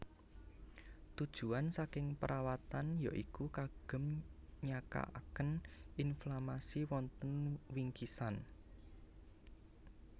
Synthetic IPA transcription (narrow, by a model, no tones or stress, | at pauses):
t̪ud̥ʒ̥ṳansakɪŋpəɾʔawat̪anja̰ʔikukaɡ̥ə̤mɲaka̰ʔakənʔinflamasiwɔnt̪ənwiŋkisan